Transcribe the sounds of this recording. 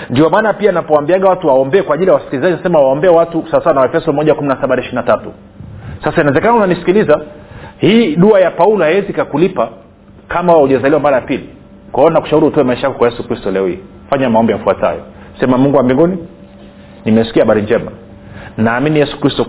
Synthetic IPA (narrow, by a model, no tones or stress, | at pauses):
ndiɔmaːnapianapɔambiaɠawatuwaɔmbɛɛkwaʄilijawasi̥kilizaʄinasɛmawaɔmbɛɛwatusasawanawɛfɛsɔmɔʄakuminasaɓanaiʃiɾinatatṵ | sasainaɛzɛkanaunanisi̥kilizahiːɗuajapaulɔhaɛzikakulipa | kamawauʄɛzaliwamaɾajapili | kwahɔnaku̥ʃauɾiutɔwɛmaiʃajakɔkwajɛsukɾistɔɛlɛɔhḭɛ | faɲamaɔmbijaufuata̰jɔ̰sɛmamuŋɡuwambiŋɡuni | nimɛsi̥kiahaɓaɾiɲd͡ʒɛma̰ | naːminijɛsu̥kɾistɔ